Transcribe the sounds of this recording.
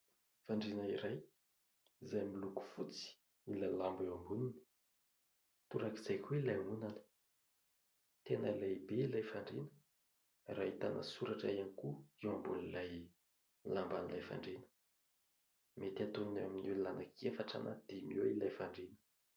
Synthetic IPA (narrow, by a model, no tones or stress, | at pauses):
faɳɖ͡ʐinəiɾaj | izajmiluku̥fut͡si̥ | ilalambewambunini̥ | t̪uɾakizajkʰuilajmunanə̥ | t̪enəilaibeilajfaɳɖ͡ʐinə̥ | rait̪anʔa̰suɾaʈ͡ʂa̰ianikuiwambulilaj | lambanilajfa̰ɳɖ͡ʐenə̥ | met̪iat̪oninaminulanakʰefaʈ͡ʂa̰na̰d̪̥imiwilajfaɳɖ͡ʐinə̥